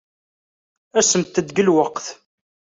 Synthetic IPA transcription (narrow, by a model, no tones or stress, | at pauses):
æsəmt̪ːəd̪ɡəlwəqθ